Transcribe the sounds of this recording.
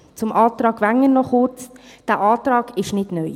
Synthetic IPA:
t͡sʊmʔɑːt̪ɾɑːɡ̥ʋæŋənɔχʊɾt͡sd̥æʔɑːt̪ɾɑːɡ̥ɪʃnɪdnœj

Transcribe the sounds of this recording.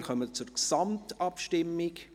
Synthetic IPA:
kʰœmət͡sʊɾksɑmtɑpʃtɪmːɪk

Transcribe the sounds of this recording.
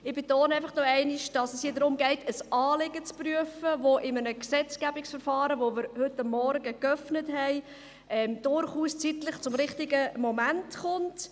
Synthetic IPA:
ɪb̥etoːnɛɪfɑχnɔɛɪnɪʃd̥ɑsɛshiːdɾʊmɡɛɪtʰəsʔɑːlɪɡət͡spryəfəʋoʔɪmənəksɛt͡skæbɪksfəɾfɑːɾəʋomɪɾhʏtːɑmːɔɾɡəkœfnətɦɛɪ | ɛmd̥ʊɾχuːst͡sitləχt͡sʊmɾɪχtɪɡəmomæntχʊnt

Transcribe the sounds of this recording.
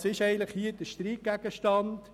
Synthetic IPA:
sɪʃɛɪɡəntləχhiəd̥əʃtɾiːk̚ɡæɡ̥əʃtɑnt

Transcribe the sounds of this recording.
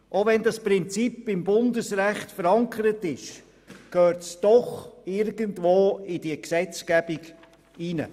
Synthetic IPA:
ʔoʋɛndɑspɾɪnt͡sipɪmbʊndəsɾæχtfəɾɑŋkʰəɾətɪʃ | køːtsd̥ɔχɪɾɡ̥əntvoːɪd̥iəksɛt͡skæb̥iɡ | inə̰

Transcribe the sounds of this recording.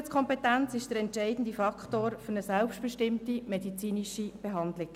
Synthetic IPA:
t͡skʰɔmpɛtænt͡sɪʃd̥əɾɛntʃɛɪdn̩difɑkχtoːɾfɵnəsælpʃtb̥ɛʃtɪmtimedit͡siːniʃib̥eɦɑnd̪lɪ

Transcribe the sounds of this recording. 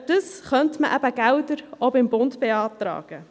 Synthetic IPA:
d̥əsχœntməʔæbəɡ̥æwdəɾobɪmbʊndb̥eɑːtɾɑ̰ːɡ̥ə

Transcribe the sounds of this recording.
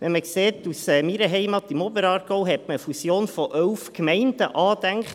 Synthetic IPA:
ʋɛnməkseːtusɛːmiɾəɦɛɪmɑt̪imɔbəɾɑːrɡ̥oʊɦɛtməəfusjoːnfɔʔœlfkmɛɪnd̥əʔɑːd̥æŋkχt

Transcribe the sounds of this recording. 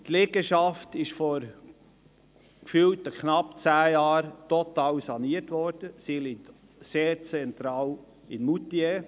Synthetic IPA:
t̪lɛɡəʃɑftɪʃfɔɾ | kfyltəkχnɑpt͡sæːjɑːɾtɔt̪ɑːwsɑniətʋɔɾd̥əsilit̪ | seːɾt͡sɛnt̪ɾɑːl | ɪnmutie

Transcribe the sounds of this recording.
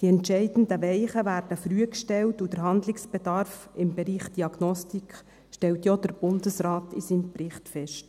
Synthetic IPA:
d̥iɛntʃɛɪd̥n̩dəʋɛɪχəʋæːɾd̥əfɾyəkʃtɛltud̥əɾɦɑnd̪lɪksb̥ɛd̥̪ɑɾfɪmbɛɾiːχd̥iɑɡnɔstik | ʃtɛltjɔd̥əɾb̥ʊnd̪əsɾɑːtʰisiːnprɪχtfɛʃt

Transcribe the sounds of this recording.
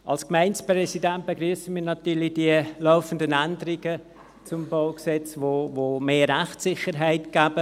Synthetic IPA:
ʔɑlskmæɪnspɾɛsidɛnt̚b̥eɡryəsəmiːnɑt̪yːɾlid̥iəlɔʊfəndənændəɾiɡ̥ə | t͡sʊmbɔʊksɛt͡svovoːmeːæχtsɪχəɾɦæɪtɡ̥æːbə

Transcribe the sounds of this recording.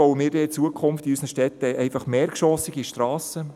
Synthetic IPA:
ɔʊəmɪːɾdɛɪt͡suəkʰχʊmft̪iysnəʃtɛt̪ːəʔɛɪfɑχmeːɾkʃɔːsɪɡiʃtɾɑːsə

